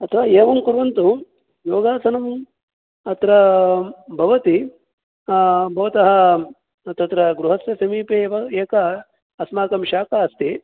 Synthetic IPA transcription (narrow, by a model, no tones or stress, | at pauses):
ɐt̪ʰɐʋaːeːʋɐmkuɾʋɐnt̪u | joːɡaːsɐnɐm | ɐt̪ɾɐ | bʱɐʋɐt̪i | bʱɐʋɐt̪ɐɦɐ̆ | t̪ɐt̪ɾɐɡɾuɦɐsjɐsɐmiːpeʋɐeːkɐ | ɐsmaːkɐmʃaːkaːɐst̪i